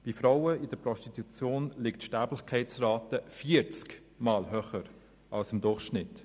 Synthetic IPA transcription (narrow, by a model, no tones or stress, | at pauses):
b̥ifɾawəɪd̥əpɾɔʃtit̪ut͡sjoːnlɪktʃtæːblɪxkʰɛɪt͡sraːtəfiːəɾt͡sk | maːlɦœχəɾ | ʔalsɪmdʊχʃnɪt